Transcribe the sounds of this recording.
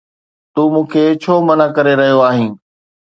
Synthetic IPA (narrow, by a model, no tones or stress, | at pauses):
t̪uːmũːkʰet͡ɕʰoːmɐnakɐɾeɾɐɦijoaːɦĩː